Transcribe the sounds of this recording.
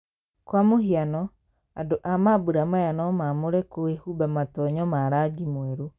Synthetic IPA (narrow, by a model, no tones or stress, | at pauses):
kwamohianɔ | adoʔamabuɾamajanɔmamoɾɛkoehubamatɔɲɔmaɾad͡ʒimoɛɾu